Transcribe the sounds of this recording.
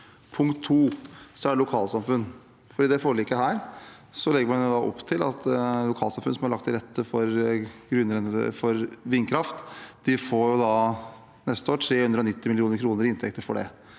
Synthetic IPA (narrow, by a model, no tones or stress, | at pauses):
pʰʊŋkt̪ʰːuːsɔæɖɛlʊkʰɑːlsɑmfʉnː | fɔɖiːd̪ɛfoːɾlɪkːəɦæːɾ | sɔlɛɡəɾmɑnjʊd̪ɑʔɔ̰pːt̪ʰɪlɑt̪lʊkʰɑːlsɑmfʉnsɔmæɾɭɑkt̪ʰːɪlɾɛt̪ʰːəfɔɾɡɾʉnːəɾn̰fɔɾʋɪnːkʰɾɑft̪d̪̥ɪfoːɾjʊd̪ɑ | nɛst̪əoːɾʈʰɾeːhʉnd̪ɾəɔnɪt̪ːɪmɪlɪuːnəɾkʰɾuːnəɾɪɪnt̪ʰɛk̚t̪əɾfɔ̰ɖɛ̰